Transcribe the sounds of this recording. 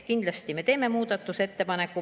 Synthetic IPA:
kind̪lɑst̪imet̪eːmːemuːd̪ɑt̪ːuset̪ːepɑnekːu

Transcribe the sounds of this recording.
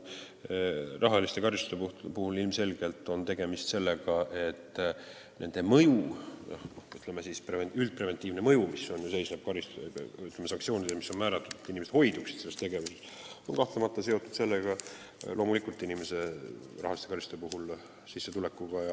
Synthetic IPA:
rɑɦɑlist̪e̞kɑɾist̪u̥d̪eupuhulilmse̞lɡ̥e̞lt̪ːˑo̞nt̪e̞ɡ̥e̞mist̪se̞lːeɡ̥ɑʔe̞t̪ː | ne̞̰nd̪̥e̞mɤju | oyt̪ːˑlemesispreeylt̪̚pre̞vent̪ːˑiːvne̞mɤjumiso̞njuse̞jsneb̥̚kɑɾist̪yt̪lemesɑŋkt̪sio̞ːnid̪emisːo̞nmæːɾɑt̪ːˑud̪̥et̪ːˑinimee̥t̪ho̞jd̪uksi̥t̪selːest̪e̞ɡe̞vuse̞s | onkɑht̪lemɑt̪ˑːɑse̞o̞t̪ːˑud̪se̞lːeɡ̥ɑ | lʔo̞ːmulikult̪ːˑinimese̞rɑ̰hɑlist̪eɑɾist̪u̥epuɦul | sisːe̞t̪ule̞kːˑuɡ̥ɑjɑ

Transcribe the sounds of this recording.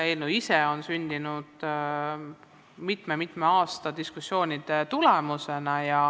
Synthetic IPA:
elnuiseo̞nsynʲd̪̥inud̪̥ | mit̪memit̪ˑmeɑːst̪ɑd̪̥iskusːo̞ːnʲid̪̥et̪ulemuse̞nɑjɑ

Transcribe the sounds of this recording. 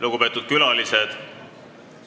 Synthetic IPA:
luɡ̥upe̞ːt̪ːˑud̪̥̚kylɑlised̪̥

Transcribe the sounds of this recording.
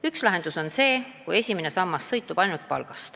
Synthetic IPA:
ykslɑɦe̞nd̪̥uso̞nse̞ːkuje̞sʲimene̞sɑmːɑsːɤ̞jt̪ːˑub̥ɑjnult̪̚pɑ̰lɡ̥ɑst̪

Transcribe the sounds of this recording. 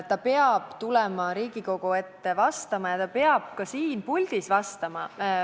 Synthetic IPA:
t̪ːɑpe̞ɑb̥t̪ulɛmɑɾiːɡ̥iko̞ɡ̥oe̞t̪ːevɑst̪ɑmɑjɑt̪ɑpeɑb̥̚kɑsiːnpulʲd̪̥isvɑst̪ɑmɑ

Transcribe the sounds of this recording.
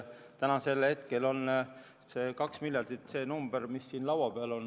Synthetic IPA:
t̪ænɑse̞lhe̞t̪ke̞lo̞n | se̞ːkɑksmilʲjɑrd̪̥it̪se̞ːnumb̥eɾmisːiːnlɑwɑb̥eɑlo̞n

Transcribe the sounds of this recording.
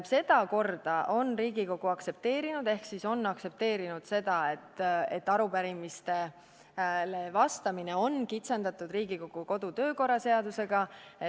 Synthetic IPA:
se̞d̪̥ɑko̞rd̪̥ɑʔo̞nriːɡiko̞ɡ̥uɑkse̞p̚t̪e̞ːɾinud̪̥e̞hksiso̞nːɑkse̞p̚t̪e̞ːɾinud̪̥se̞d̪̥ɑe̞t̪ːet̪ːˑɑɾupæɾimist̪e̞ | levɑst̪ɑmine̞o̞nkit̪se̞nd̪ɑt̪ud̪riːɡ̥iko̞ɡ̥uko̞d̪̥ut̪ø̞ːko̞rːɑse̞ɑd̪use̞ɡ̥ɑe

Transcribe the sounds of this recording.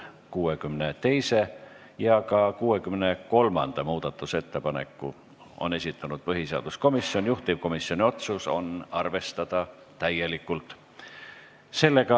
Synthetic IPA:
kuːekymnet̪e̞jse̞ | jɑkɑkuːe̞kymne̞ko̞lmɑ̰nd̪̥ɑmuːd̪̥ɑt̪ːˑuse̞t̪ːe̞pɑne̞̰kːˑṵ | o̰ne̞sʲit̪ʰːˑɑnud̪̥̚pɤɦiseɑ̰d̪̥usko̞misːio̞njuht̪iv̥̚ko̞misːio̞nʲio̞t̪suso̞̰nɑrve̞st̪ɑd̪̥ɑ | t̪æje̞likːˑult̪ˑ | se̞lːe̞ɡ̥ɑ

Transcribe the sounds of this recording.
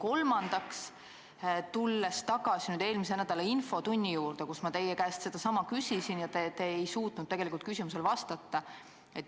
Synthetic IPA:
ko̞lmɑnd̪̥ɑks | t̪ulːe̞st̪ɑɡɑsinyːd̪̥e̞ːlmisenæd̪̥ɑleinfo̞t̪unʲːijuːɾd̪̥e̞kusmɑt̪e̞jːekæːst̪se̞d̪̥ɑsɑmɑkysʲisinjɑt̪et̪eejsuːt̪nud̪̥̚t̪eɡelikult̪kysʲimus̬e̞lvɑst̪ɑt̪ːɑ | e̞t̪ː

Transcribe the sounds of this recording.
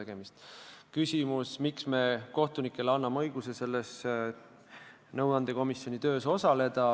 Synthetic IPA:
eɡ̥emist̪kysʲimusmiksme̞ko̞ht̪unikːˑeleɑnːɑmɤ̞jɡ̥use̞se̞lːes | nɤw̪ɑnd̪̥e̞ko̞misjo̞nit̪ø̞ːso̞sɑle̞d̪̥ɑ

